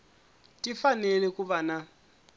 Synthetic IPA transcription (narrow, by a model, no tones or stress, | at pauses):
tʼifanɛlɛkʼuβana